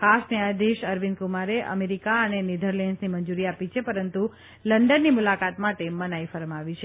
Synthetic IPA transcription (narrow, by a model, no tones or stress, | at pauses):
kasniad̪iʃəɾʋinkumaɾeʔə̰meɾikaənenid̪ʱəɾlɛnsniməɲd͡ʒuɾiapit͡ʃʰepəɾənt̪u | ləɳɖənːimulakat̪maʈemənajfəɾəmaʋit͡ʃʰe